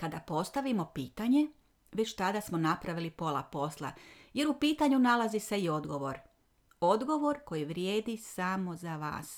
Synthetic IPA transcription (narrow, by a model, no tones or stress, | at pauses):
kad̪apo̞st̪aʋimo̞piːt̪aɲe̞ | ʋe̞t͡ɕt̪ad̪asmo̞napɾaʋilipo̞lˠa̰po̞slˠa̰je̞ɾupiːt̪aɲunalazise̞io̞d̪ɡo̞ʋo̞ɾ | o̞d̪ɡo̞ʋo̞ɾko̞jiʋɾjeːd̪isaːmo̞zaʋa̰ːs